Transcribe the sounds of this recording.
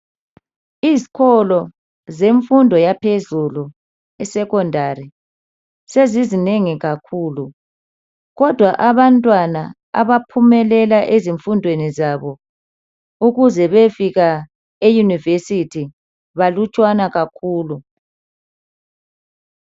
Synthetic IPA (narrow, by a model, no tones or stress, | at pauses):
izikʰɔlɔ | zeɱfundʱɔjapʰezulu | ɛsɛkɔndʱari | sezizineŋiɣakʰuːlu | ɣɔd̥ʱwaʔaβantʼwana̰ | a̰βapʰumɛlɛlaʔeziɱfundʱwenizaβɔ | uɣuzɛβefiɣa | ejunivesitʰi | βalut͡ʃʼwanaɣakʰuːlu